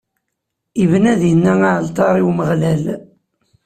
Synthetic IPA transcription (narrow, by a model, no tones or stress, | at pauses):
ivnæðjənːæŋaʕlt̪ˤɑɾˤiwməʁlæl